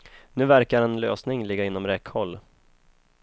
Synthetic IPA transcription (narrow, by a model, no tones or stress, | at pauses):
nʉ̟ːvæɾkaɾɛnlø̰ːsnɪŋlɪɡːaɪnːɔmɾɛkhɔlː